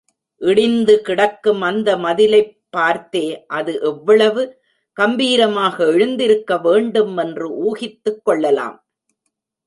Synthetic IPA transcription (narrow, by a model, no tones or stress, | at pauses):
ʔɪɽɪnd̪ɯkɪɽɐkːɯmɐnd̪ɐmɐðɪlɐɪpːaːɾt̪eːʔɐðɯʔɛʋːɐɭɐʋɯ | kɐmbiːɾɐmaːɣɐɛɻɯnd̪ɪɾɯkːɐʋeːɳɖɯmɛndrɯʔuːɣɪt̪ːɯkːɔɭːɐla̰ːm